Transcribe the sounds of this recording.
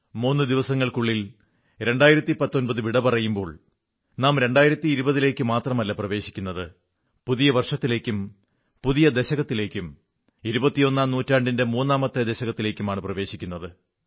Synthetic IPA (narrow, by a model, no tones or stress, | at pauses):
muːnːɨd̪iʋɐsɐŋːɐɭkuɭːil | ɾe̞ɳɖaːjiɾɐt̪ːipɐt̪ːo̞nbɐðɨʋiɽɐpɐrɐjumbo̞ːɭ | naːmɾe̞ɳɖaːjiɾɐt̪ːiːɾubɐðile̞ːkʲːɨmaːt̪rɐmɐlːɐprɐʋe̞ːɕikʲːunːɐðɨ | puðijɐʋɐrʂɐt̪ːile̞ːkʲːum | puðijɐd̪e̞ɕɐɣɐt̪ːile̞ːkʲːum | iɾubɐt̪ːijo̞nːaːmnuːtːaːɳɖinde̞muːnːaːmɐt̪ːed̪eɕɐɣɐt̪ːile̞ːkʲːumaːɳɨprɐʋe̞ːɕikʲːunːɐðɨ